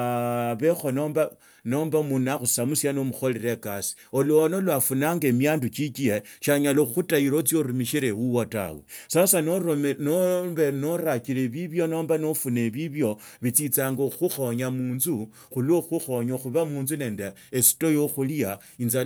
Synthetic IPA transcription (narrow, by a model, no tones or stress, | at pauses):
βexonomba | nombamunaxusamusjanomuxo̞leɾe̞kasi̥oloonolwafunaːŋɡe̞miaːndut͡ʃikieʃaɲaloxutaiɾot͡sijo̞ɾumiʃiɾewuwota̰wḛsasanonoβenoɾakiɾeβiβjo̞no̞ːmbanofuneβiβjo̞ | βit͡sit͡saːŋɡoxuxo̞ɲamuːnzu | xuloxuxoɲoxuβamuːnzune̞ːndeːsi̥to̞joxulija | inza